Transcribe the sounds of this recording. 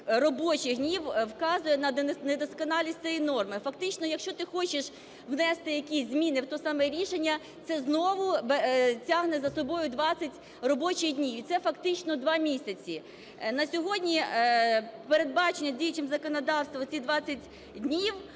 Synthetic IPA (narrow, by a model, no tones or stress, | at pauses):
rɔbɔt͡ʃɪxnʲiwwkɑzʊjɛnɐned̪ɔskɔnɑlʲisʲt͡s̪ʲɛjinɔrmɪfɐkt̪ɪt͡ʃnɔjɐkʃt͡ʃɔt̪ɪxɔt͡ʃɪʃ | ʋnɛst̪ɪjɐkʲisʲzʲmʲinɪwt̪ɔsɑmɛɾʲiʃenʲːɐ | t̪sɛznɔʋʊbtʲaɦnɛzɐsɔbɔjʊd̪ʋɑt͡sʲɐtʲ | rɔbɔt͡ʃɪjdʲnʲiwit̪sɛfɐkt̪ɪt͡ʃnɔd̪ʋɑmʲisʲɐt͡sʲi | nɐsʲɔɦɔdʲnʲi | peɾed̪̚bɑt͡ʃenʲːɐdʲijt͡ʃɪmzɐkɔnɔd̪ɑwst̪ʋɐt͡sʲid̪ʋɑt͡sʲːɐtʲ | dʲnʲiw